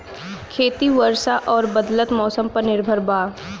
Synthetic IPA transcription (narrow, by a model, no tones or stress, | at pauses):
kʰeːt̪iʋəɾʃaʔɔːɾbəd̪lət̪mɔːsəmpɐɾnɪɾbʱəɾbaː